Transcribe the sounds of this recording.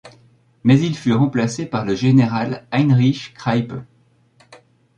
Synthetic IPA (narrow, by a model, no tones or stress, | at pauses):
mɛzilfyʁɑ̃plasepaʁləʒeneʁalajnʁiʃkχajpø